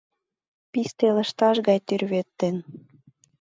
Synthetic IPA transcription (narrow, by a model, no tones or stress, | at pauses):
pist̪elə̆ʃt̪ɑʃɡɑjt̪yrβet̪ːen